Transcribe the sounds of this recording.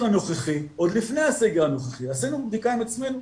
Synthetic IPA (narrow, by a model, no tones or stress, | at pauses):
ano̞χeχiod̪lifnejaseɡeʁanoχeχiasinubd̪ikaimat͡smen